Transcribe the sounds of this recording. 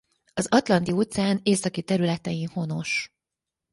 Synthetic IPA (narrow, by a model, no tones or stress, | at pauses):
ɒzɒt̪lɒnt̪iot̪sɛaːneːsɒkit̪ɛɾylɛt̪ɛjinho̞no̞ʃ